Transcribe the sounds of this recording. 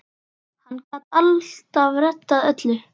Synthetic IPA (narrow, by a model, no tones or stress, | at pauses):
hanːkaːt̪alt̪avɾɛt̪ːaðœt̪lʏ